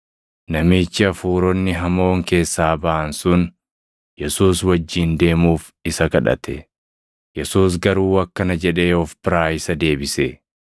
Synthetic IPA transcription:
nɐmiːt͡ʃːɪɐfuːɾɔnːɪɦɐmo̞ːŋke̞ːsːaːbɐʔɐnsʊn | jɛsuːswɐd͡ʒːiːnd̪e̞ːmuːf | ɪsɐkɐᶑɐ̰t̪ɛ | jɛsuːs̬ɡɐɾuːɐkːɐnɐd͡ʒɛᶑeːɔfbɪɾaːjɪsɐd̪e̞ːbɪse

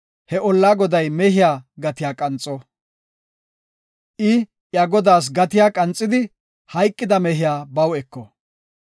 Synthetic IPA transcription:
hɛɔlːaːɡɔd̪ɐjmɛhɪjaːɡɐt̪ɪjaːkʼɐnt͡sʼːɔ | ʔɪ | jaɡɔd̪aːs̬ɡɐt̪ɪjaːkʼɐnt͡sʼːɪd̪ɪ | hɐjkʼːɪd̪ɐmɛɦɪjaːbɐwɛkːɔ

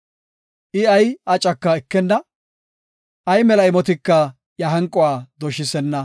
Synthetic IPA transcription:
ʔɪɐjɐt͡ʃʼːɐkːɐɛkːɛnːɐ | ʔɐjmɛlɐjmɔt̪̬ɪkːɐ | jɐɦɐŋkʼːɔwaːd̪ɔʃɪsɛnːɐ

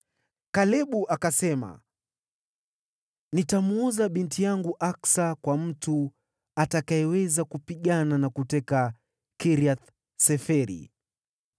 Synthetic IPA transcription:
kalɛɓuʔakasɛma̰ | nitamɔzaɓintijaŋɡuʔaksakwam̩tu | atakaɛwɛzakupiɠananakutɛka | kiɾiat̪ | sɛfɛɾḭ

